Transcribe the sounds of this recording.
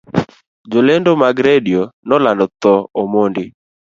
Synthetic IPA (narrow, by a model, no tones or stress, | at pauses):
d͡ʒolendomaɡɾedionɔlandɔt̪ɔomondɪ